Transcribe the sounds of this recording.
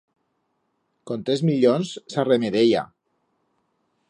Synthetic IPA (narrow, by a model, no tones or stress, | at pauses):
kont̪ɾezmiʎonssaremeðeja̰